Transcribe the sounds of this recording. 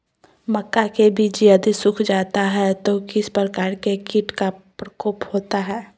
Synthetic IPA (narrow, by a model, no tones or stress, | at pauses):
mɐkːakebʱid͡ʒiəd̪isʊkʰd͡ʒaːt̪aɦɛt̪okɪspɾəkaːɾkekɪʈkapɾəkoːphoːt̪aɦɛː